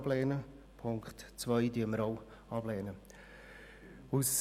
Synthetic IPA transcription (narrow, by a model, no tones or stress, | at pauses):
b̥lɛːnə | pʰʊŋkχtt͡sʋœɪdyəməɾɔʊ | ɑb̥lɛːnə | us